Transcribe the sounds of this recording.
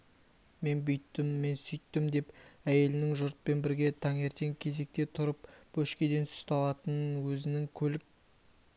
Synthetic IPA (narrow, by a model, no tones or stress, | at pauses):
me̞nbʏjt̪ːɪmːe̞nsʏjt̪ːɪmd̪e̞pæje̞lɪnɪŋʒʊɾt̪̚pe̞nbɪɾɡʲe̞t̪ʰɑŋe̞ɾt̪e̞ŋkʲʰe̞ze̞k̚t̪e̞t̪ʰʊɾəpb̥ɵʃkʲed̪e̞nsɪ̥st̪ɑlˠɑt̪ənənwɵzɪnɪŋkʲʰɵlɪk̚